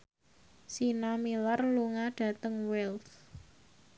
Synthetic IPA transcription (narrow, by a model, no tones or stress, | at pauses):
sinamilarluŋaɖ̥ä̤t̪əŋwɛlt